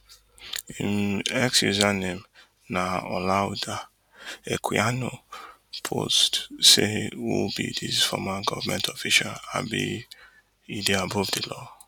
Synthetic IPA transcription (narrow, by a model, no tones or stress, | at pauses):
ĩmɛksuzanẽm | naɔlada | ekʰiano | pʰo̰stsewobḭdisfɔmãnɡɔvmɛ̃ntʰɔfiʃala̰bḭ | ideabɔvdilɔ